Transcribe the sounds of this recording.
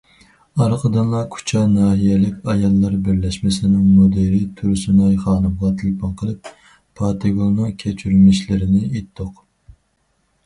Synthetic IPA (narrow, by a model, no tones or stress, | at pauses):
ɑɾqʰəd̪ɨnlˠɑkʰu̥t͡ʃʰɑnɑːɦijɛlɪkʲɑjɑlˠːɑɾbɪɾlɛʃmɪsɪnɪŋmod̪eɾijt̪ʰuɾsynɑjχɑːnɨmʁɑt̪ʰɨlpɑnqʰəlˠɨp̚ʰː | ɑt̪ʰeɡolˠnɨŋkʲʰet͡ʃʰyɾylmɪʃlɪɾɪnɪet̪ʰːoq